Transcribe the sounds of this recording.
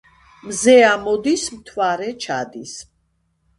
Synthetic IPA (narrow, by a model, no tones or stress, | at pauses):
mzɛamɔd̪ismt̪ʰwaɾɛt͡ʃʰad̪is